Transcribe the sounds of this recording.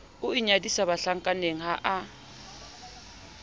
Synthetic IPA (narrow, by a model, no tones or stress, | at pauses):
ʊiɲadisaβaɬaŋ̩kʼaneŋ̩ɦaʔa